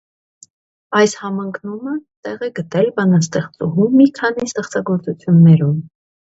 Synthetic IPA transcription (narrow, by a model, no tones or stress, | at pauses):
ɑjshɑmɑŋkʰnumət̪ɛʁɛɡət̪ɛlbɑnɑst̪ɛχt͡sṵɦumːikʰɑnist̪ɛχt͡sɑɡɔɾt͡sut͡sʰjunːɛɾum